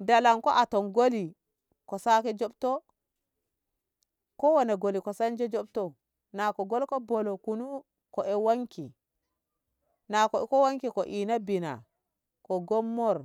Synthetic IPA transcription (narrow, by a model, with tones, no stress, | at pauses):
da˨la˨ŋkɔ̰˦ʔa˨tɔ˨nɡo˦li˨ | kɔ˨sa˦kɛ˦d͡ʒɔ˦btɔ˦ | kɔ˦wa˨na˨ɡo˨li˨kɔ˨sa˦nd͡ʒɛ˦d͡ʒɔ˦b̚tɔ˨ | na˨kɔ˨ɡo˦lkɔ˦bɔ˨lo˨ku˨nu˦ | kɔ˨ʔɛ˨wa˦ŋki˨ | na˨kɔ˨ɛ˦kɔ˦wa˦ŋki˨kɔ˨ʔi˨na˦bi˨na̰˨ | kɔ˨ɡɔ˦mːɔ˦ɾ